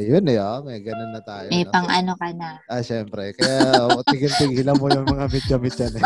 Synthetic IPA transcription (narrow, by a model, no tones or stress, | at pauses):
jʊnɛomɐjɡɐnonːɐt̪aːjomɛjpɐŋʔɐnokɐnaʔɐʃɛmpɾɛkɐjat̪ɪɡɪnt̪ɪɡiːlɐŋmojʊŋmɐŋamɪt̪̚d͡ʒɐmɪt̪̚d͡ʒɐnɛ